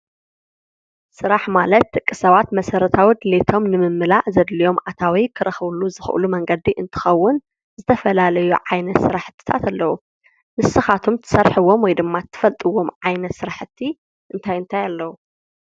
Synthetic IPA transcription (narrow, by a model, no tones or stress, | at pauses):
sɨɾaħmalɐt̪ːɨkʼːɨsɐβat̪mɐsɐɾɐt̪ʰawid̪ɨlet̪ʰo̞mnɨmɨmːɨlaʕzɐd̪lijo̞mʔat̪ʰawikʰɨɾɐxβluzɨxʔɨ̰lumɐŋɡɐd̪iʔɨnt̪ʰɨ̥xɐwːʊn | zɨt̪ʰɐfɐlalɐjuʕajnɐt̪sɨɾaħɨ̥t̪ʰːɨ̥t̪ʰa̰t̪alːɐwu | mɨsɨxat̪ʰomt̪ʰɨ̥sɐɾħɨwːo̞mwɔjd̪ɨmːat̪ʰːɨ̥fɐlt̪ʼɨwːo̞mʕajnɐt̪sɨɾaħɨt̪ʰːi | ʔɨnt̪ʰajɨnt̪ʰajalːɐwu